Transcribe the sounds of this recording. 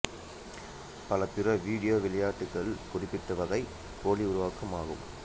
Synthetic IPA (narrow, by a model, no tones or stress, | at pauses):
pɐlɐpɪrɐʋiːɽɪjoːʋɪlɐjaːʈːɯkːɐɭkʊrɪpːɪʈːɯʋɐðɐɪ | koːliʊɾʊʋaːkɐmaːɣɯ̰m